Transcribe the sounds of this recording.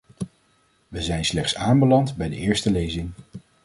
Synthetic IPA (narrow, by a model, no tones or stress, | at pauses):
ʋəzɛjnslɛχtsaːmbəlɑntbɛjdə̰ɪːɹstəlejzɪŋ